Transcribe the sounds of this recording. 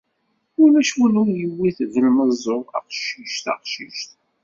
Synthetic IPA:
ʊlæʃwulujəwːiθvəlməzˤoʁɑ̰qʃiʃt̪ɑ̰qʃiʃt̪

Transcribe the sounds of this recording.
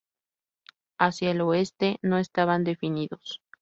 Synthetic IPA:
asjaelo̞e̞st̪e̞no̞e̞st̪aβand̪e̞finiðos

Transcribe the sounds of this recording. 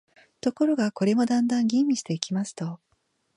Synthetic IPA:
t̪o̞ko̞ɾo̞ɡako̞ɾe̞mo̞d̪ãnd̪ãŋɡʲĩmːʲiɕi̥t̪e̞ikʲimasɨ̥t̪o̞

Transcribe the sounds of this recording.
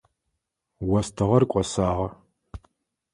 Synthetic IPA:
wɐstʰɨʁɐrkʷʼɔsaːʁɐ

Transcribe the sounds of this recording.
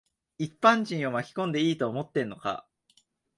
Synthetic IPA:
ipːãɲ̟d͡ʑĩɰ̃o̞makʲi̥kõ̞nd̪e̞iːt̪o̞ːmo̞t̪ːẽ̞nːo̞ka̰

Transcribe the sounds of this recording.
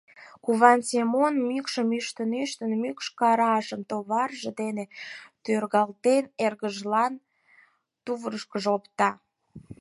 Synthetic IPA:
kuβɑnsemonmykʃəmyʃt̪ənyʃt̪ənmykʃkɑɾɑʃəmt̪oβɑrʒə̆d̪enet̪ørɣɑlt̪enerɣəʒlɑn | t̪uβəɾəʃkəʒopt̪ɑ

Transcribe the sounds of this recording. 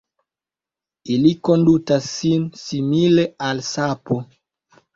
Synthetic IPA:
ilikondutasinsimilealsapɔ

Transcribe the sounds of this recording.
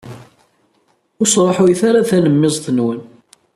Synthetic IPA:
ʊsɾˤoħʊjθaɾaθænəmːɪzˤθənwən

